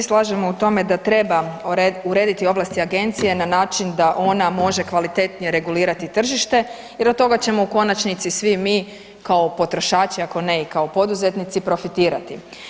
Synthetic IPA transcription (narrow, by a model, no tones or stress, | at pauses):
islˠaːʒe̞mout̪o̞me̞d̪at̪ɾe̞bauɾe̞ːd̪it̪io̞ʋlˠast̪iaɡe̞nt̪sije̞nanaːt͡ʃind̪aʔo̞namo̞ʒe̞kʋalit̪e̞t̪nije̞ɾe̞ɡuliːɾat̪it̪r̩ʒiʃt̪e̞ | jeɾot̪ːo̞ɡat͡ɕe̞mo̞uko̞nat͡ʃnit̪sisʋimiː | kao̞po̞t̪ɾo̞ʃaːt͡ʃiako̞ne̞ikaopo̞d̪uze̞t̪nit̪sipɾo̞fit̪iːɾat̪i